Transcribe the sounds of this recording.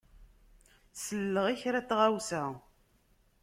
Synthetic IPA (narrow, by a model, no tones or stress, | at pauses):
səlːəʁiçɾæt͡sːʁawsæ